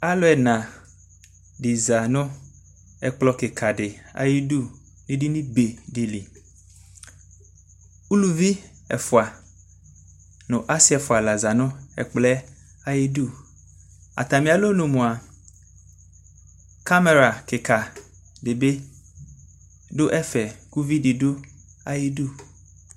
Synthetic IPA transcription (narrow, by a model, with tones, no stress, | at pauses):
a˦lɔ˦ɛ˨nã˨ | ɖi˨za˨nʊ̃˦ | ɛ˨k͡plɔ˨ke˨kʰa˨dɪ˨a̰˨ji˦du˦˨ | nĩ˦di˦nĩ˦be˨di˨li˨ | u˦lu˦vi˦ | ɛ̰˨fʊ˨a˨ | nʊ̃˨ʔa˦sɪ˦ɛ˨fʊ˨a˨la˨za˨nʊ̃˦ɛ̰˨k͡plɛ˦ | a˨ji˦du˦ | a̰˨t̪a˨mĩ˨a˨lo˦nũ˨mũ˨a˨ | ka˦me˨ɾa˨ke˨kʰa˨ | ɖe˨be˦ | ɖo˦ʔɛ˦fɛ˨ku˦vi˦di˨do˦ | a˨ji˦du˦